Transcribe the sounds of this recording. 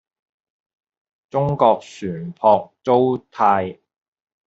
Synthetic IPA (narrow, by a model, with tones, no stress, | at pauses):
t͡sʊ˥ŋkɔː˧k̚syː˨˩npʰɔː˧k̚t͡so˥wt̪ʰaː˧j